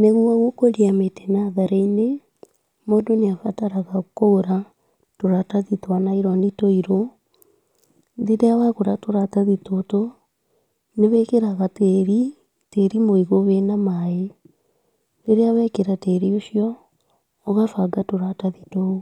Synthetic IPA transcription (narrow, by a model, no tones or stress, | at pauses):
neɣuaɣokoɾiametɛnaðaɾeine | modoneafataɾaɣakoɾa | toɾataðitwanaiɾɔnitoiɾo | ðeɾeawaɣoɾatoɾataðitoto | neβɛkeɾaɣateːɾi | teɾimoiɣoβenamae | neɾeawɛkeɾateɾioɕijɔː | ɣafaɡatoɾataðitoo